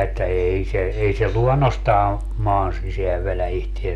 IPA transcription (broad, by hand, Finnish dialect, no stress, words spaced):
etːæ ei se ei se luɔnːostɑː mɑːn siseæʋ ʋelæ ihtiesæ